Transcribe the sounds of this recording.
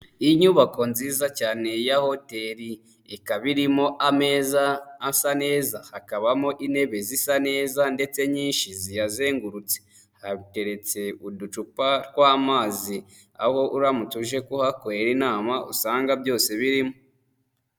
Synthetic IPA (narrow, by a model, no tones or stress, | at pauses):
iɲuːβako̞nziːzacaːne̞jaho̞te̞ɾi | ekaβiɾimo̞ʔame̞ːzaːsane̞ːzahakaβamo̞ʔine̞βe̞zisane̞ːzande̞t͡se̞ɲiːnʃizijaze̞ːŋɡuɾut͡se̥ | haβite̞ɾe̞t͡se̞udut͡ʃupaɾɡwaːmaːzi | a̰ho̞ʔuɾamutuʒe̞kuhakoeɾinaːmaṵsaːŋɡabjo̞ːse̞βiɾimo